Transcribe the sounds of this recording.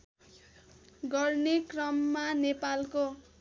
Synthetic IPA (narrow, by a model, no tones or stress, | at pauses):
ɡʌrnekrʌmːanepalko